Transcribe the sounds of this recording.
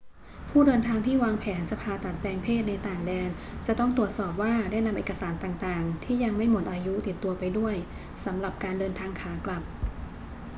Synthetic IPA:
pʰuː˥˩dɤː˧nt̪ʰaː˧ŋt̪ʰiː˥˩waː˧ŋpʰɛː˩˦nt͡ɕa˩pʰaː˧t̪a˨˩t̪̚pɾɛː˧ŋpʰeː˥˩t̪̚na˧jt̪aː˨˩ŋdɛː˧n | t͡ɕa˨˩t̪ɔ˥˩ŋt̪ɾu˨˩ət̪̚sɔː˨˩p̚waː˥˩daː˥˩jla˦˧mʔeː˨˩ka˧saː˩˦nt̪aː˨˩ŋt̪aː˨˩ŋt̪ʰiː˥˩ja˧ŋma˥˩jmo˨˩t̪̚ʔaː˧ju˦˥t̪i˨˩t̪ːu˧ɐpa˧jdu˥˩əj | sa˩˦mɾa˨˩p̚kaː˧ndɤː˧nt̪ʰaː˧ŋkʰaː˩˦kla˨˩p̚

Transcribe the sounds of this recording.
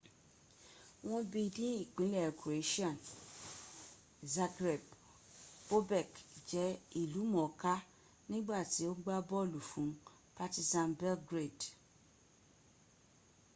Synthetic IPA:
w̃ɔ̃˦bi˧dĩ˦i˦˨k͡pĩ˨˦lɛ˦˨ku˨ɾe˨˦ʃi˦ã˦˨n | za˧ɡɾɛ˨b | o˦bɛ˦˨kd͡ʒɛ˨˦i˦˨lu˨˦mɔ̃˨ka˦ | nĩ˦ɡ͡ba˦˨ti˨˦o˦ɡ͡ba˦bɔ˦˨lu˨fũ˨˦ | pa˧ti˧sã˨˧nbɛ˦lɡɾe˦˨d

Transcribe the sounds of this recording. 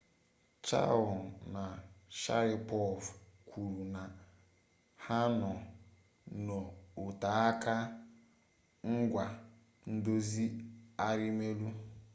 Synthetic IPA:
t͡ʃa̰˦˨wna˨ʃa̰˦ɾɪ˦pɔ˦˨fkʷʰu˨ɾu˨na˨ | ha˦nɔ˨ | no˨ʊ˨ta˨˦a˦ka˦ | ŋ̩˦ɡʷa˨ | n̩˦do˦zi˦a˦ɾi˦me˦lu˦

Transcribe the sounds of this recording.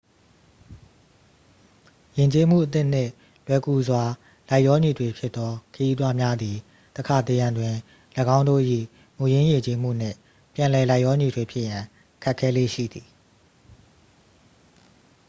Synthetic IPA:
jɪ̃˨ɲt͡ɕe˦m̥ṵ˦˨ʔət̪̬ɪ˦˨n̥ɪ̰̃˦˨ | lwɛ˦ku˦˨zwa˨ | la˦ɪʔɔ˦ɲi˨dwe˨pʰjɪ˦t̪t̪ːɔ˦kʰəji˦t̪wa˦mja˦d̪i˨ | t̪əkʰa˨t̪e˨jã˨ndwɪ̃˨ | ləɡã˦ʊ̃ndo̰˦˨ʔḭ˦˨ | mu˨jɪ̃˦jɪ̃˨ɲt͡ɕe˦m̥ṵ˦˨n̥ɪ̰̃˦˨ | pjã˨lɛ˨la˦ɪʔjɔ˦ɲi˨dwe˨pʰjɪ˦ʔjã˨ | kʰɛ˦ʔkʰːɛ˦lḛ˦˨ʃḭ˦˨d̪i˨

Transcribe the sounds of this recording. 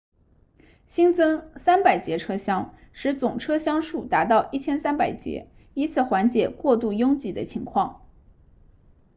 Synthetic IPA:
ɕi˥nt͡sɤ˥ŋsa˥npa˨˩ɪt͡ɕjɛ˧˥ʈ͡ʂʰɤ˥ɕjɑ˥ŋ | ʂɻ̩˧˥t͡sʊ˨˩ŋʈ͡ʂʰɤ˥ɕjɑ˥ŋʂu˥˩t̪a˧˥t̪ɑ˥˧ʊʔi˥˩t͡ɕʰjɛ˥nsa˥npa˨˩ɪt͡ɕjɛ̰˧˥ | i˧˥t͡sʰɹ̩˨˩xwa˧˥nt͡ɕjɛ˨˩kwɔ˥˧t̪u˥˩jʊ˥ŋt͡ɕi˥˩d̪ə˦t͡ɕʰi˧˥ŋkʰwɑ˥˩ŋ

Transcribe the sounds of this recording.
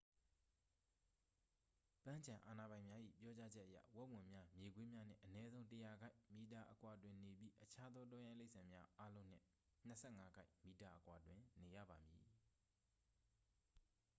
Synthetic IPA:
pã˦ɲt͡ɕʰã˨ʔa˨na˨bã˨ɪ̃mja˦ʔḭ˦˨pjɔ˦t͡ɕa˦d͡ʑɛ˦ʔə˨jä̰˦˨wɛ˦ʔwɪ̃˨mja˦mje˨ɡwe˦mja˦n̥ɪ̰̃˦˨ʔənɛ˦zõ˦ʊ̃təja˨ɡa˦ɪʔmi˨ta˨ʔə˨kwa˨dwɪ̃˨ne˨bji˦ʔət͡ɕʰa˦d̪ðɔ˦t̬ɔ˦jã˦˨le˦ɪʔsʰã˨mja˦ʔa˦lõ˦n̥ɪ̰̃˦˨ | n̥əsʰɛ˦˨ŋa˦ɡa˦ɪʔmi˨ta˨ʔəkwa˨dwɪ̃˨ne˨jä̰˦˨ba˨mji˨

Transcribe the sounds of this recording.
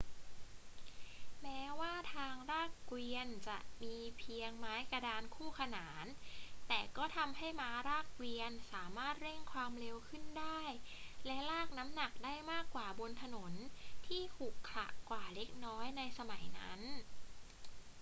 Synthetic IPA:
mɛː˦˥waː˥˩t̪ʰaː˧ŋɾaː˥˩kwi˧ənt͡ɕa˨˩ʔmiː˧pʰi˧əŋmaː˦˥jka˧daː˧nkʰuː˥˩kʰa˧naː˩˦nt̪ɛː˨˩kɔː˥˩t̪ʰa˧mɦa˥˩jmaː˦˥ɾaː˥˩k̚wi˧ənsaː˩˦maː˥˩t̪̚ɾe˥˩ŋkʰwaː˧mɾe˧wkʰɯ˥˩ndaː˥˩jlɛ˦˥laː˥˩k̚na˦˥mna˨˩k̚daː˥˩jmaː˥˩kːwaː˨˩bo˧nt̪ʰa˧no˩˦nt̪ʰiː˥˩t̪ʰuː˨˩kʰːla̰˨˩ʔkwaː˨˩le˦˥k̚nɔː˦˥jna˧jsa˧ma˩˦jna̰˦˥n

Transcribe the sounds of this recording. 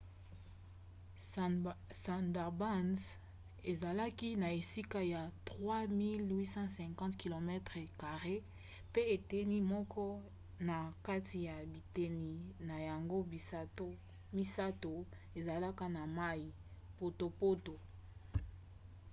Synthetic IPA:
sa˨ndɛ˨ʁba˦nz | e˨za˨la˦ki˦na˨e˨si˦ka˦ja˨tʁwa˦mi˦lwi˦sɑ̃˦sɛ̃˨kɑ̃˦tki˨lo˨mɛ˦tʁɛ˨ka˨ʁe˦ | pe˦e˨te˦ni˦mɔ˦kʰɔ˦ | na˨ka˦ti˨ja˨bi˨te˨ni˨na˨ja˨ŋɡo˦˨˦to˦ | mi˦sa˦to˨ | e˨za˨la˦ka˦na˨ma˦ji˨ | po˨to˨po˦to˨

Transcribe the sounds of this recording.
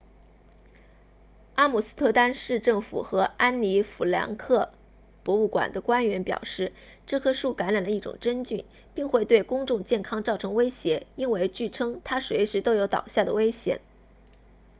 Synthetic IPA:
a˥mu˨˩sɹ̩˥t̪ʰɤ˥˧t̪a˥nʂɻ̩˥˧ʈ͡ʂɤ˥˩ŋfṵ˨˩xɤ˧˥a˥nli˧˥fu˨˩ljɑ̰˧˥ŋkʰɤ˥˩ | pwɔ˧˥u˥˩kwa̰˨˩nd̪ə˦kwa˥nɥɛ˧˥npjɑ̰˨˩ʊʂɻ̩˥˩ | ʈ͡ʂɤ˥˩kʰɤ˥ʂu˥˩ka˧˥nɻa˨˩nlə˦i˥˩ʈ͡ʂʊ̰˨˩ŋʈ͡ʂə˥nt͡ɕy˥˩n | pi˥˧ŋxwe˥˧ɪt̪we˥˩ɪkʊ˥ŋʈ͡ʂʊ˥˧ŋt͡ɕjɛ˥˩nkʰɑ˥ŋt͡sɑ˥˩ʊʈ͡ʂʰɤ˧˥ŋwe˥ɪɕjɛ˧˥i˥nwe˥˧ɪt͡ɕy˥˩ʈ͡ʂʰɤ˥ŋt̪ʰa˥swe˧˥ɪʂɻ̩˧˥t̪o˥ʊjo˧˥ʊt̪ɑ̰˨˩ʊɕja˥˩d̪ə˩we˥ɪɕjɛ̰˨˩˦n

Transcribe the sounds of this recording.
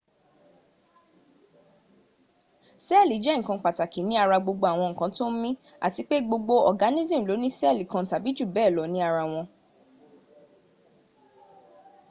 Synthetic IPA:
sɛ˦˨li˨˦d͡ʒɛ˦ŋ̩˨kã˧k͡pa˨ta˨ki˨˦nĩ˦a˧ɾa˧ɡ͡bo˧ɡ͡bo˧a˨w̃ɔ̃˧ŋ̩˨kã˨˦to˦m̩˦mĩ˦ | a̰˨ti˧k͡pe˦ɡ͡bo˧ɡ͡bo˧ɔ˨ɡa˨˦nĩ˦zĩ˦˨lo˨˦nĩ˦sɛ˦˨li˨˦kã˧˨ta˨bi˨˦d͡ʒu˦˨bɛː˦˨lɔ˨˦nĩ˦a˧ɾa˧w̃ɔ̃˧

